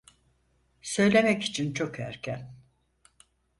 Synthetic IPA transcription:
sø̞jlʲe̞mɛci̥t͡ʃʰint͡ʃʰo̞kæ̰ɾcʰæn

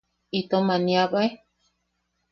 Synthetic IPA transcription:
it̪omaniaβae

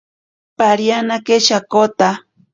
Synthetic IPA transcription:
paɾjanakeʃakot̪a

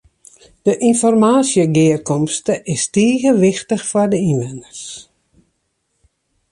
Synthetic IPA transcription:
d̥əʔinfɔrmaːsjəɡɪːərkɔmstəʔɪstiːɣəʋɪxtəxfɔrdəinʋɛnərs

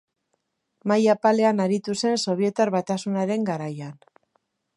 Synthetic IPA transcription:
majapale̞anaɾit̪use̞nso̞β̞ie̞t̪aɾβat̪asunaɾe̞ŋɡaɾajan

